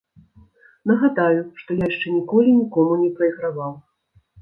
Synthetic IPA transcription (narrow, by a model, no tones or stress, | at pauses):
nɐɣad̪ajuʂt̪ɔjajɛʂt͡ʂɛnʲikɔlʲinʲikɔmunʲɛpɾɐiɣɾavaw